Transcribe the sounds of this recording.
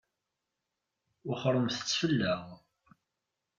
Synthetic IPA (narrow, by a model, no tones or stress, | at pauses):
ʊχəɾˤːəmθə̥t͡sːfəlːæʁ